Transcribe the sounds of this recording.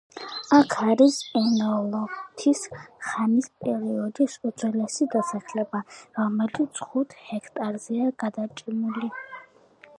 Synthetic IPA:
akʰaɾisɛnɔlˠɔt̪ʰisχanispʼɛɾiɔd̪isut̪sʰɛlɛsid̪asaχlɛbaɾɔmɛlisχut̪ʰhɛkʰt̪ʼaɾzɛaɡ̥ad̪at͡ʃʼimuli

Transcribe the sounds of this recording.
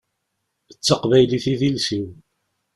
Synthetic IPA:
ət͡sːəqvæjliθiðilsiw

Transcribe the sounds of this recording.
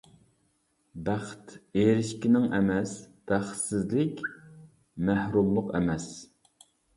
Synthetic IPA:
bæχt̪eɾɪʃkʲinɪŋʔɛmɛsb̥æχt̪sɪzlɪkʲ | mæhɾumlˠʊqɛ̰mɛs

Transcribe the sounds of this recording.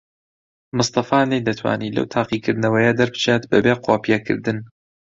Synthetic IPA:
mɨst̪ɑfaːnejd̪ɐt̪ʰwa̰ːniːlɐ̰wt̪ʰaːqiːkɨɾd̪nɐwɐjɐd̪ɐɾbɨ̥t͡ʃet̪bɐbeːqʰoːpijɛkʰɨ̰ɾd̪ɨn

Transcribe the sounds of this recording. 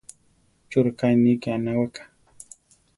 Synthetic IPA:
t͡ʃʊɾkajnikɪanawakḁ

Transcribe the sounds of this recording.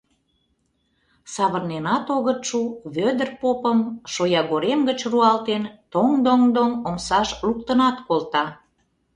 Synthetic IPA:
sɑβərnenɑt̪oɣət̪ʃuβød̪ərpopəmʃojɑɣoɾemɡət͡ɕruɑlt̪ent̪oŋd̪oŋd̪oŋomsɑʃlukt̪ənɑt̪kolt̪ɑ

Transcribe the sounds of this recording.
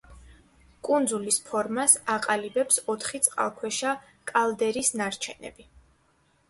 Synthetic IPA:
kʼund̪zulispʰɔɾmasaqʼalibɛpsɔt̪ʰχit̪sʼqʼa̰lˠkʰwɛʃa | kʼalˠd̪ɛɾisnaɾt͡ʃʰɛnɛ̰bi

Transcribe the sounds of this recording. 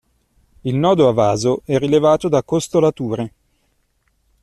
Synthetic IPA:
ilnɔːd̪oavaːzoɛrːilevaːt̪od̪akːost̪olat̪uːɾe

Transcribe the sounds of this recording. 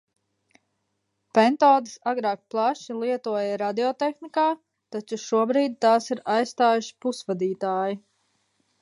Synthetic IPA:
pɛnt̪ɔːd̪isaɡɾɑːk̚plˠaʃilˠiɛt̪uɔjaɾad̪iɔt̪exnikaː | t̪at͡ʃuʃuɔbɾiːd̪̚t̪aːsiɾajst̪aːjuʃi̥pusʋad̪iːt̪aːji

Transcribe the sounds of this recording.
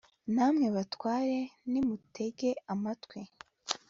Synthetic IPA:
namŋe̞βatwaːɾe̞nimute̞ɡeamatwe

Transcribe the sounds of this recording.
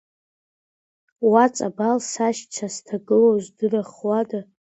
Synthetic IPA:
wat͡sʼabalsaʃt͡ʃʷʰastʰaɡɨlozʷdɨraχwada

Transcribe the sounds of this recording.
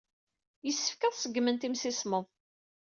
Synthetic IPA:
jəsːə̥fkəðˤsəɡːmənt̪imsɪsməðˤ

